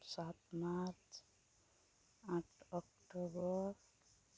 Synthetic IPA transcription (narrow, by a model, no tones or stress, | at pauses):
sat̪maɾt͡ʃ | aʈʰɔkʈobʌɾ